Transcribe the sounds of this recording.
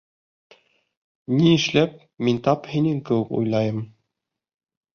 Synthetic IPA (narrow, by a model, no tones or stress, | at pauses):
niɘ̆ʃlæp̚ | mint̪ɑphinɘŋkɘ̆wɘkṵjlˠɑjɤm